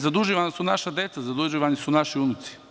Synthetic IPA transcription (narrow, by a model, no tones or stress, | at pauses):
zad̪uʒiʋanasunaʃad̪et̪sazad̪uʒiːʋanisunaʃiunut̪si̥